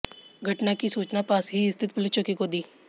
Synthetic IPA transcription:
ɡʱɐʈnakisuːt͡ʃnapaːsɦiɪst̪ʰɪt̪̚pʊlɪt͡ʃəkikod̪iː

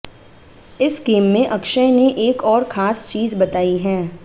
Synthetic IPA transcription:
ɪsɡeːmːẽʔɐkʃə̃neʔeːkɔːɾxaːst͡ʃiːzbɐt̪aːiɦɛː

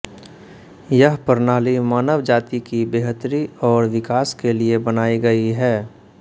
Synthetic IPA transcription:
jəɦpəɾnaːlimaːnəʋd͡ʒaːt̪ikibeːɦət̪ɾiɔːɾʋɪkaːskeliebɐnaːiɡɐiɦɛː

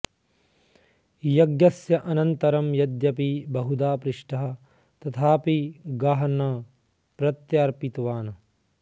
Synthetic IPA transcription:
jɐɡjɐsjɐʔɐnɐnt̪ɐɾɐmjɐd̪jɐpibɐɦud̪aːpɾɪʂʈɐɦɐ̆ | t̪ɐt̪ʰaːpiɡaːɦɐnɐ | pɾɐt̪jaːɾpit̪ʋaːnɐ

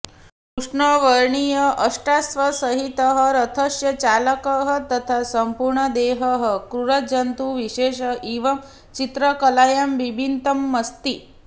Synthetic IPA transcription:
kɾuʂɳəʋəɾɳijəʔəʂʈasʋɐsəɦit̪əɦəɾət̪ʰəsjɐt͡ɕaləkəɦət̪ɐt̪ʰasəmpuɾɳəd̪eɦəɦəkɾuɾəd͡ʒɐnt̪uʋiɕeːɕəiʋɐm | t͡ɕit̪ɾəkəlajɐmʋibʱint̪əmːəst̪i

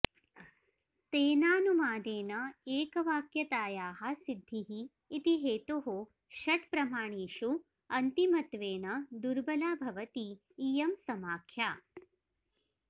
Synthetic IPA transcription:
t̪eːnaːnumaːd̪eːnɐeːkɐʋaːkjɐt̪aːjaːɦɐ̆sid̪ʱːiɦiː | t̪iɦeːt̪oɦo | ʃɐʈpɾɐmaːɳiːʃu | ɐnt̪imɐt̪ʋeːnɐd̪uɾbɐlaːbʱɐʋɐt̪iː | jɐmsɐmaːkʰjaː

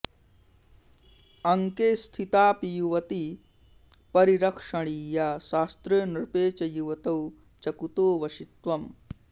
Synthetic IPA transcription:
ɐŋkeːst̪ʰit̪aːpijuʋɐt̪i | pɐɾiɾɐkʂɐɽ̃iːjaːʃaːst̪ɾɐnɾpeːt͡ʃɐjuʋɐt̪ɐw | t͡ʃɐkut̪oːʋɐʃit̪ʋɐm

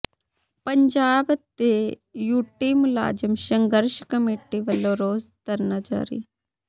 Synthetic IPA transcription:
pɐɲd͡ʒaːbt̪e | juːʈiːmula̰ːd͡ʒɐmʃɐŋɡəɾʃkɐmeːʈiʋɐlːoːɾoːzt̪ɐɾnad͡ʒa̰ːɾḭː

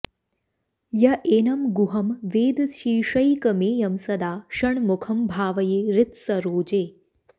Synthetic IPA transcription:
jɐʔeːnɐmɡuɦɐmʋeːd̪ʃiːʃɐjkɐmeːjɐmsɐd̪aːʃɐɳmukʰɐmbʱaːʋɐjeːɾɪt̪sɐɾoːd͡ʒeː

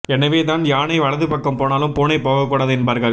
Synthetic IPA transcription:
ɛnɐʋeːt̪aːnjaːnɐɪʋɐɭɐðɯpɐkːɐmpoːnaːlɯmpoːnɐɪpːoːɣɐkːuːɽaːðɯɛnbaːɾɣɐɭ

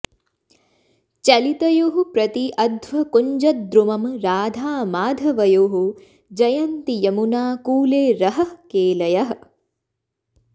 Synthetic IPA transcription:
t͡ʃɐlit̪ɐjoːɦupɾɐt̪iʔɐd̪ʋɐkuɲd͡ʒɐt̪̚d̪ɾumɐmɾaːd̪ʱaːmaːd̪ʱɐʋɐjoːɦu | d͡ʒɐjɐnt̪ijɐmunaːkuːleːɾɐɦɐ̆keːlɐjɐɦɐ

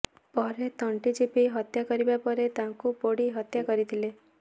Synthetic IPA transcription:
pɔɾet̪ɔɳʈid͡ʒipiɦɔt̪jakɔɾibapɔɾet̪aŋkupoɽiɦɔt̪jakɔɾit̪ʰile

